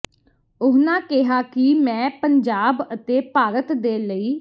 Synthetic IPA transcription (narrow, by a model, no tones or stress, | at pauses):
ʊɦnãːkɪɦaːkɪmɛ̃ːpəɲd͡ʒaːbət̪eːpaːɾət̪d̪eːləiː